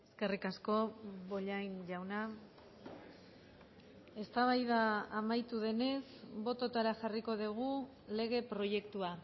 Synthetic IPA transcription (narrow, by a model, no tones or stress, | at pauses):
e̞ske̞rikasko̞βo̞ʎajnʝawna | e̞st̪aβ̞ajðaːmajt̪uðe̞ne̞sbo̞t̪o̞t̪aɾaxariko̞ðiɣ̞u | le̞ɣ̞e̞pɾo̞je̞kt̪ua